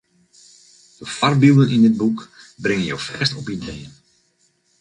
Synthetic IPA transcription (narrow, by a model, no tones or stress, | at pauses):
d̥əfarbilˠdənindɪd̚buk | brɪŋənjo̰wfɛstɔpideːən